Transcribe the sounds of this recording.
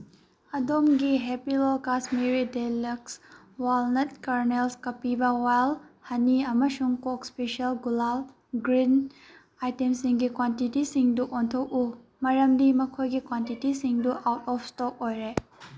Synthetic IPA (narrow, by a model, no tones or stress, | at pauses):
ɐdomɡiɦepilɔlkasmiɾideləks | walnɐt̚kaɾnelskɐpibawajlhɐniɐmɐʃuŋkɔkspeʃɐlɡulal | ɡɾin | ajtemsiŋɡikwantitisiŋduʔɔnt̪ʰowʔu | mɐɾɐmd̪imɐkʰojɡikwantitisiŋduʔawtɔfstɔk̚ojɾe